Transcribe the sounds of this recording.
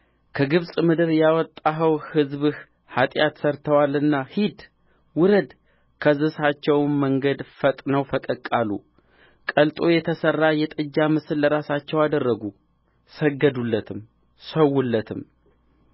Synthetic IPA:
kʰəɡɨβsʼmɨd̪ɨɾjawɔt̪ʼːaɦəwhɨzβɨh | hat̪ʼjat̪səɾt̪ʰəwalɨnːahid̪ | wʊɾəd̪ | kʰəzɨsat͡ʃːɛwmːəŋɡəd̪fət̪ʼnəwfəkʼəkʼːalːṵ | kʼəlt̪ʼo̞jɛt̪ʰəsərːajɛt̪ʼɨd͡ʒːamɨsɨlːəɾasat͡ʃːɛwad̪ərːəɡu | səɡːəd̪ulːət̪ʰɨm | səwːulːət̪ʰɨm

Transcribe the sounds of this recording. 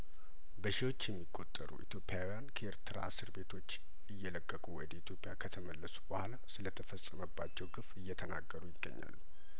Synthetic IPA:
bəʃiwo̞t͡ʃːjɛmːikʼːo̞t̪ʼːə̰ɾṵʔḭt̪ʰjo̞pʼɪjawijankʰəeɾt̪ʰɨɾa̰sɨɾbe̞t̪ʰo̞t͡ʃː | ɨjːɛləkʼːəkʼuwɔd̪əit̪ʰjo̞pʼɪjakʰət̪ʰəməlːəsu̥bəhalasɨlət̪ʰəfəsʼəməbːat͡ʃːɛwɡɨfɨjːɛt̪ʰənaɡːəɾujɪɡːə̰ɲːa̰lː

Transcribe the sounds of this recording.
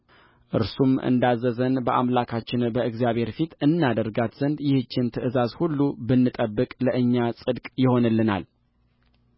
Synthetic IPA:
ʔɨ̰ɾsumɨ̰nd̪azːəzənbəʔamlakʰat͡ʃːɪnbəɨɡzijaβhe̞ɾfit̪ɨnːad̪əɾɡat̪z̥ənd̪jɪhɨt͡ʃːɪnt̪ʰɨʔɨzazhulːubɨnːɨt̪ʼəbːɨkʼləʔɨɲːasʼɨd̪kʼjɪho̞nɨlːɨna̰l

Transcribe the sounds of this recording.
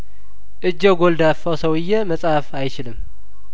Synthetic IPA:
ʔɨd͡ʒːəɡo̞ld̪afːəwsəwɨjːɛməsʼafajt͡ʃɪlɨmː

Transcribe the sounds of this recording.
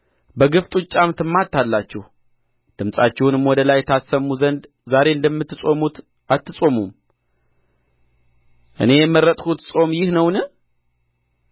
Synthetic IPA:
bəɡɨft̪ʼut͡ʃʼːamt̪ʰɨmːat̪ʰːalːat͡ʃːɛh | d̪̥ɨmsʼat͡ʃːɛwunɨmwɔd̪əlajɛt̪ʰasəmːuzənd̪ | zaɾe̞ɨnd̪əmːɨt̪ːsʼo̞mut̪ | at̪ːɨsʼo̞mum | ʔɨ̰ne̞jɛmːɨrːət̪ʼhut̪sʼo̞mjɪhnəwnə

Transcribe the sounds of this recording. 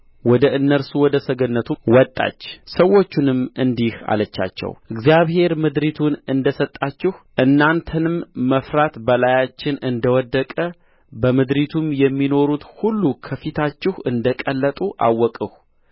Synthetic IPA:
wɔd̪əʔɨnːəɾsuwɔd̪əsəɡənːət̪ʰuwɔt̪ʼːa̰t͡ʃːsəwːo̞t͡ʃːunɨmɨnd̪iha̰lət͡ʃːa̰t͡ʃːɛ̰wʔɨɡzijaβhe̞ɾmɨd̪ɾit̪ʰunɨnd̪əsət̪ʼːat͡ʃːɪhʔɨnːant̪ʰənɨmːəfɾat̪bəlajat͡ʃːɪnɨnd̪əwɔd̪ːəkʼə | bəmɨd̪ɾit̪ʰumjɛmːino̞ɾut̪hulːukʰəfit̪ʰat͡ʃːɪhɨnd̪əkʼəlːət̪ʼuʔa̰wːɔkʼɨh

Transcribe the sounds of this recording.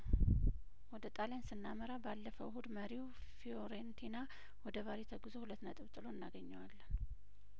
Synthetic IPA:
wɔd̪ət̪ʼalensɨnːaməɾabalːəfəwhud̪məɾiw | fioɾent̪ʰina | wɔd̪əβaɾit̪ʰəɡɨzo̞hulət̪ːnət̪ʼɨβt̪ʼɨlo̞ɨnːaɡəɲːawalːən

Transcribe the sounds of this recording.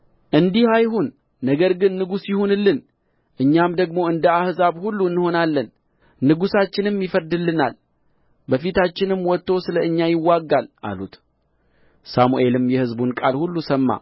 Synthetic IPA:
ʔɨnd̪ihajhunː | əɡəɾɡɨnːɨɡusjɪhunlːɨn | ʔɨɲːamd̪əɡmo̞ɨnd̪əahzaβhulːuɨnːho̞nalːən | nɨɡusat͡ʃːɪnɨmjifəɾd̪ɨlːɨna̰l | bəfit̪ʰat͡ʃːɪnɨmːwɔt̪ːo̞sɨləɨɲːajɪwːaɡːalʔa̰lut̪ | samuʔe̞lɨmjɛhɨzbunkʼalhulːusəmːa̰

